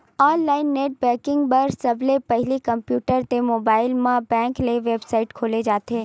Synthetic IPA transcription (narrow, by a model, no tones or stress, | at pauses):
ɔːnlaːɪnːeːʈ̚bɛːkɪ̃ŋɡbɐɾsɐblepɐɦɪlikɐmpjuːʈəɾt̪emoːbaːɪlmãbɛ̃ːŋkleʋeːbsaːɪʈkʰoːled͡ʒaːt̪ʰeː